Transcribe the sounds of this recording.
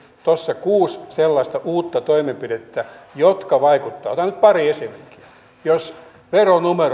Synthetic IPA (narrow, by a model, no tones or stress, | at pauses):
t̪osːɑkuːsselːɑist̪ɑʔuːt̪ːɑt̪oimempidet̪ːæjot̪kɑʋɑikut̪ːɑːot̪ɑnyt̪̚pɑriesemerkːi̥ɑ | jos | ʋeronumer